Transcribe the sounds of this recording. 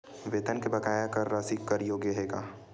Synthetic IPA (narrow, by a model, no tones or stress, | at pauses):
ʋeːt̪ənkebɐkaːjakɐɾːaːsikːɐɾjoːɡjəɦeːɡaː